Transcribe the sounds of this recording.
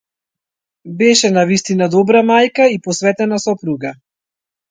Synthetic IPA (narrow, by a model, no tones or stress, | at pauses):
bɛʃɛnavist̪inad̪ɔbɾamajkaipɔsvɛt̪ɛnasɔpɾuɡa